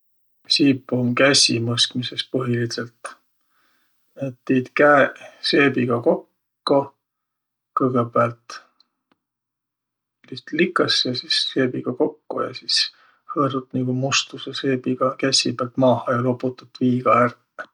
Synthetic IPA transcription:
sipːˑumkæsʲimɤsk̪misest̪̚pɤɦiliselt̪ | et̪ːiːd̪̥kæse̞ːbiɡ̥ɑko̞kː | o | kɤɡ̥ebeælt̪ | list̪likːˑɑsjɑsisːe̞ːbiɡ̥ɑko̞kːo̰jɑ̰sis | hɤɾut̪niɡ̥umust̪useseːbiɡ̥ɑkæsʲibelt̪mɑːhɑjɑloput̪ːˑut̪ːviːɡ̥ɑær

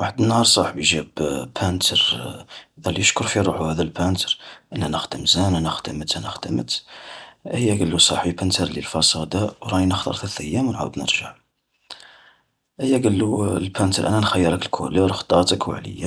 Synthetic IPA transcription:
waħəd̪ənhɑɾˤsˤɑħbjʒæbpʰænt̪ʰəɾʔəd̪ælijəʃkʊɾfiɾˤuħuhæd̪ælpænt̪əɾʔənːænəxd̪əmzænænəxd̪əmət̪ænəxd̪̥əmə̰t̪ | həjːæɡəlːusˤɑħbipænt̪ʰəɾlə̰lfɑsˤɑd̪ɑwɾˤɑinəxt̪ɑ̰ɾˤθæləθʔəjːæmnʕa̰wəd̪nə̰ɾʒəʕ | ʔəjːæɡəlːulpʰænt̪əɾˤʔæ̰nænxæjːəɾˤəkəlkʰṵləɾxt̪ˤɑt̪əkwə̰ʕlə̰jːa

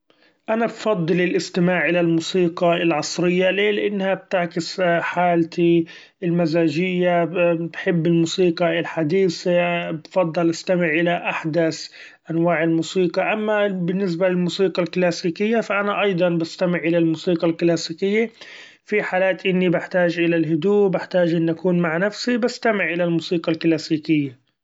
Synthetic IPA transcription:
ʔanabfɑd̪ˤːɨlɪlʔɪst̪ɪmaːʕʔɪlalmuːsiːqɑɪlʕɑsˤɾɪjːaleːlɪʔɪnːhab̚t̪aʕkɪsħaːlt̪i | ɪlmazaːd͡ʒɪjːabħɪbːɪlmuːsiːqɑɪlħad̪iːsbfɑd̪ˤːɑlʔast̪amɪʕʔɪlaʔaħd̪as | ʔanwaːʕɪlmuːsiːqɑʔamːabɪnːɪs̬balɪlmuːsiːqɑlklaːsiːkɪjːafaʔanaʔɑjd̪ˤɑnbast̪amɪʕʔɪlalmuːsiːqɑlklaːsiːkɪjːa | fiħaːlaːt̪ʔɪnːibɪħt̪aːʒʔɪlalɦʊd̪uːbɪħt̪aːʒʔɪnːʔakuːnmaʕnafsibast̪amɪʕʔɪlalmuːsiːqɑlklaːsiːkɪjːa

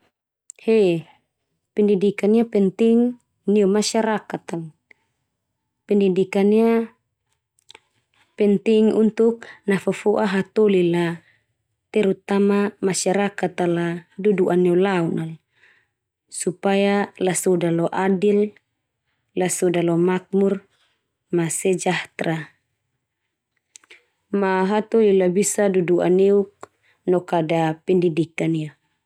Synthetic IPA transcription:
he | pindidikaniapɛnt̪iŋ | niɔmasaɾakat̪al | pindidikania | pɛnt̪iŋṵnt̪uk̚nafafɔʔaɦat̪ɔlila | t̪ɛɾut̪amamasaɾakat̪aladuduʔaneulaunʔal | supajalasɔdalɔʔadil | lasɔdalɔmak̚mur | masɛd͡ʒaht̪ɾa | maɦat̪olilabisadudua̰neuk̚ | nɔkadapɛndidikania

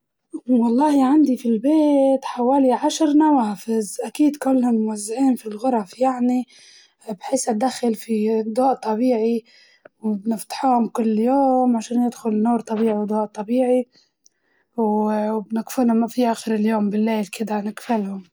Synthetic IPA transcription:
wɑlˤːɑːhiʕand̪ifilbeːt̪ħawaːliʕaʃɾnawaːfɪzʔakiːd̪kʊlːhʊmmʊwazːaʕiːnfilɣʊɾˤɑfjaʕni | bħiːsad̪axːalfid̪oːʔt̪ˤːɑbiːʕi | wbnɪft̪ḁħuːhʊmkʊlːjoːmʕaʃaːnjɪd̪xʊlnːuːɾˤt̪ˤɑbiːʕid̪ˤoːʔt̪ˤːɑbiːʕi | wwbnɪkfuːnamafiʔaːxɪɾɪljoːmbɪlːeːlkɪd̪anɪkfalhʊm

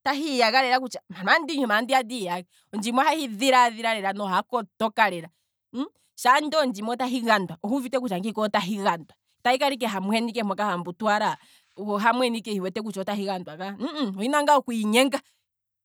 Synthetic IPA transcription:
taɦijaɣaɾɛɾakut͡ʃamamandiɲumandiadijaɣa | ɔnd͡ʒimwahahiðiɾaðiɾaɾɛɾanɔɦakɔtɔkaɾɛɾa | ʃandɔnd͡ʒimɔtaɦiɣandwaʔɔhuvitɛk̬ut͡ʃaŋɡikɔtaɦiɣandwa | tahikaɾik̬ɛɦamwhɛnikɛmakahambutwaɾa | kɔɦamwɛnikɛhiwɛtɛk̬ut͡ʃɔtaɦiɣandwaŋɡaɔhinaŋɡaɔkuiɲɛŋɡa

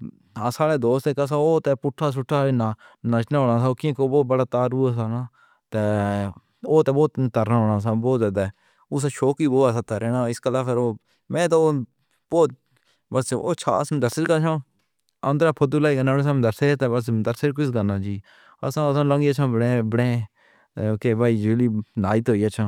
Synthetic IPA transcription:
aːsaːɽeːd̪oːst̪ekəs̬ãːoːt̪ɛːpʊʈʰːaːs̬ʊʈʰːaːnanət͡ʃnãːɦoːɽaːsaːokɪ̃koːboːt̪̚bəɽaːt̪aːɾuːsaːnaː | t̪eː | oːt̪ɛ̃ːboːt̪t̪əɾaːɦoːɽaːs̬ãːboːt̪zaːd̪aː | ʊːs̬aːʃoːkiːboːasaːt̪aɾɛːnãːɪskəlaːpʰɪɾoː | mɛ̃ːt̪̬oː | boːt̪ | bəso̰ːt͡ʃʰa̰ːə̰sd̪əɾsɪɾkat͡ʃʰãː | ə̃nd̪ɾaːpʰʊd̪ulaːiːɡənaːẽs̬aːmd̪əɾset̪eːbəs̬d̪əɾseɾk̬ʊsɡanaːd͡ʒiː | ə̰sãːəsãːlə̃ŋɡiːət͡ʃʰãːbəɽẽːbəɽẽː | keːbaːiːd͡ʒuːliːnaːit̪ɦoːiːət͡ʃʰãː

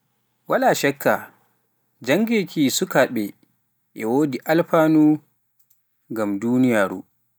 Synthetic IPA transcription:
walaʃɛkʰːa | d͡ʒaŋɡekʰisukaɓɛ | ʔɛwoːdiʔalɸaːnu | ŋɡamduːnijaːɾṵ

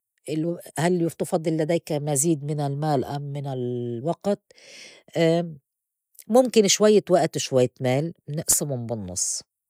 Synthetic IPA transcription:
ʔɪlwhalːjɪft̪ɑfɑd̪ˤːɨlːad̪aːkmaziːd̪mɪnɪlmaːlʔamːɪnɪlwaɡt̪̚ | ʔ | mʊmkɪnʃwajːawaʔt̪ʃwajːt̪maːlnɪʔsɪmʊmbɪnːɑ̰sˤː

